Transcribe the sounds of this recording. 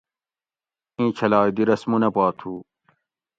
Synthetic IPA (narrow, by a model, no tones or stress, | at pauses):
ĩːt͡ɕʰɐlaːd̪iɾɐsmunɐpaːt̪ʰuː